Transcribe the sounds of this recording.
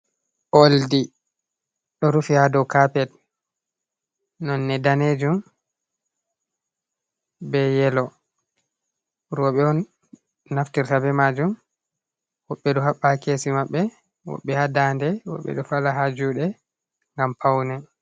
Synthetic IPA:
ʔoldi | ɗɔɾufihadɔwkapɛt | nɔnːɛdaned͡ʒum | bɛjɛlɔ | ɾɔɓɛɔnː | aftiɾtabɛmad͡ʒum | wɔɓːɛɗɔɦaɓːakesimaɓːɛ | wɔ̰ɓːɛhadandɛwɔ̰ɓːɛ̰ɗɔfalaɦad͡ʒuːɗɛ | ŋɡampʰawnɛ

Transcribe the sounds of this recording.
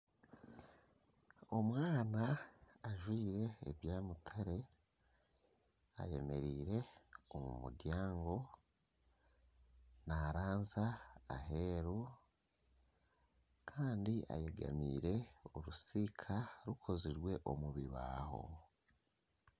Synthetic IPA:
o̞mwaːna | aʒwiːɾe̞̰ːβjaːmutʰaɾe̞ | a̰je̞̰me̞ɾiːɾe̞omṵmṵdjaːŋɡo̞ | naɾaːnzaaɦeɾu | kʰaːndiʔa̰jeɡa̰miːɾe̞oɾusikʰaɾukʰo̞ziɾɡwe̞ʔo̞muβiβa̰ːɦo̞̰

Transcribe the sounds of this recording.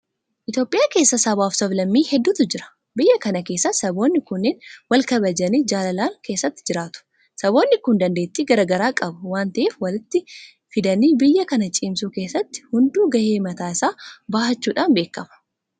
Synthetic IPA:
ʔɪt̪jo̞ːpʼːɪjaːke̞ːsːɐsɐbaːfsɐblɐmːiːhɛd̪ːuːt̪ʊd͡ʒɪɾɐ̥ | bɪjːɐkɐnɐke̞ːsːɐsɐbo̞ːnːɪkʊnːɪnwɐlkɐbɐd͡ʒɐnid͡ʒaːlɐlaːŋke̞ːsːɐt̪ːɪ̥d͡ʒɪɾaːt̪ʊ̥ | sɐbo̞ːnːɪkʊnd̪ɐnd̪eːt̪ːiːɡɐɾɐɡɐɾaːkʼɐbɐwaːnt̪ɐʔeːfwɐlɪt̪ːɪ | fɪd̪ɐniːbɪjːɐkɐnɐt͡ʃʼiːmsuːke̞ːsːɐt̪ːɪ̥hʊnd̪uːɡɐheːmɐt̪aːɪsaːbaːhɐt͡ʃːuːᶑaːnbe̞ːkːɐmɐ̥

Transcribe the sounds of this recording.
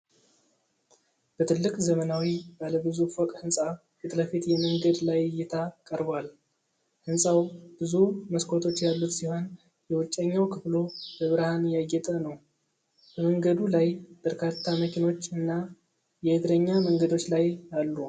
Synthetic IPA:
b̥ət̪ʰɨlːɨkʼzəmənawibaləbɨzufɔkʼhɨnsʼa | kɨt̪ʼləfit̪jɛməŋɡəd̪lajjːɛt̪ʰakʼəɾbal | hɨnsʼawb̥ɨzuməskʰot̪ʰo̞t͡ʃːjalːut̪siho̞n | jɛwʊt͡ʃʼːəɲːawkʰɨflo̞bəβɨɾhanjaɡːɛt̪ʼənəw | b̥əməŋɡəd̪ulajb̥əɾkʰat̪ʰːaməkʰino̞t͡ʃːɨnːa | jɛhɨd̪ɾəɲːaməŋɡəd̪o̞t͡ʃːlajalːu

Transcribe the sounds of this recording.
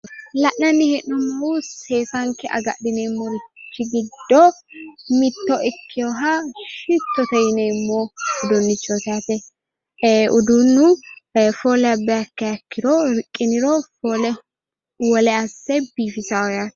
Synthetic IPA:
lɐʔnɐnːɪhɛnɔmːɐwuseːsaŋkɛʔɐ̰ɡɐ̰ɗɪneːmːɔɾɪt͡ʃːɪɡɪd̪ːɔmɪt̪ːɔʔɪkʰːɪjɔɦaʃɪt̪ːɔt̪ɐjɪneːmːoːʊd̪ɔnːɪt͡ʃːɔt̪aːt̪ɛ | ʊd̪unːʊfoːlɛɐbːɛɐkːɛjɐkːɪɾoːɾɪkʼːɪnɪɾoːfoːlɛ | wɔlɛɐsːɛbiːfɪsaːɔjaːt̪

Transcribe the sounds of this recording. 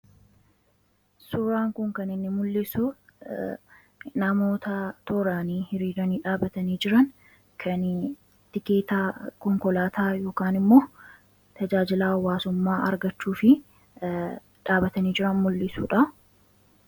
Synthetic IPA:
suːɾaːŋkʊŋkɐnɪnːɪmʊlːɪsu | nɐmo̞ːt̪ɐt̪ɔɾaːniːhɪɾiːɾɐniːᶑaːbɐt̪ɐniːd͡ʒɪɾɐn | kʰɐn | t̪ɪkeːt̪aːkɔŋkɔlaːt̪aːjo̞ːkaːnɪmːo̞ː | t̪ɐd͡ʒaːd͡ʒɪlaːwːaːsʊmːaːʔɐ̰ɾɡɐt͡ʃːuːfɪ | ᶑaːbɐt̪ɐniːd͡ʒɪɾɐnmʊlːɪsṵːᶑɐ

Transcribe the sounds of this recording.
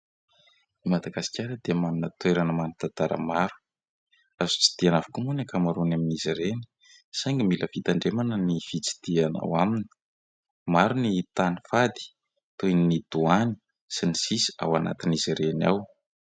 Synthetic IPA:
imad̪aɡasi̥kʲaɾəd̪eəmanunət̪weɾanəmanut̪at̪aɾə̰maɾu̥ | azu̥t͡si̥d̪̥ianavukumunakamaɾunaminiziɾeni̥ | sajŋɡimiləvit̪aɳɖ͡ʐemanənifit͡si̥d̪̥iana̰wamini̥ | maɾunit̪anifad̪i̥ | t̪ujnnid̪̥uani̥ | sinisisi̥a̰wana̰t̪iniziɾena̰w

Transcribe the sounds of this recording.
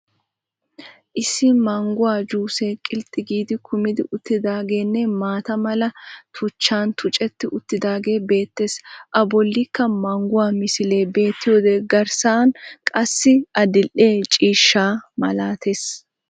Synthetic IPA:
ʔɪsɪmɐŋɡʊwaːd͡ʒuːseːkʼɪlt̪ʼːɪɡiːd̪ɪkʰʊmɪd̪ɪʔʊt̪ːɪd̪aːɡe̞ːnːɛmaːt̪ɐmɐlɐt̪ʰʊt͡ʃːaːnt̪ʰʊt͡ʃʼɛt̪ːɪʔʊt̪ːɪd̪aːɡe̞ːbe̞ːt̪ːe̞ːsʔɐbɔlːɪkːɐmɐŋɡʊwaːmɪsɪle̞ːbe̞ːt̪ːɪjo̞ːd̪ɛɡɐɾsaːnkʼɐsːɪɐd̪ɪlʔʔːe̞ːt͡ʃʼiːʃːaːmɐ̰laːt̪ʰe̞ːs

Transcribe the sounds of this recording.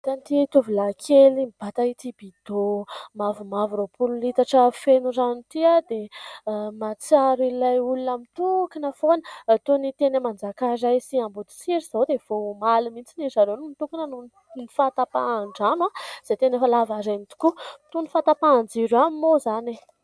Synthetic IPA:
t̪ant̪it̪uvilakʰelimib̥at̪ait̪ib̥id̪̥omavumavuɾopʰululit̪aʈ͡ʂəfenurant̪iad̪e | mat͡saɾilajulunamit̪ukinəfonət̪onit̪enəmand͡zakaɾajsiambud̪i̥siɾiz̥awd̪ev̥omalumint͡sinizaɾonumit̪ukinənu | nifat̪apa̰ːɳɖ͡ʐamaz̥et̪enefəlavaɾenit̪u̥kut̪unifat̪apaːnd͡ziɾamimozani

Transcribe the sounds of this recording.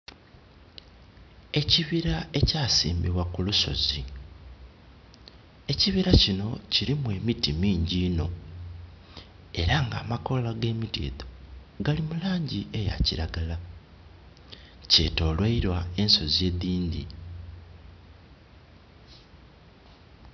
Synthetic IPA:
e̞ciβiɾae̞caːsḭːmbiβwakuluso̞̰zi | e̞ciβiɾacino̞ciɾimwe̞ːmitimiːɲɟiːno̞̰ | e̞ɾaŋɡa̰ːmako̞laɡe̞ːmitḭːðo̥ | ɡalimulaːɲɟie̞ja̰ciɾaɡala | ce̞̰ːto̞ːlweiɾwae̞nso̞zie̞ðiːndḭ

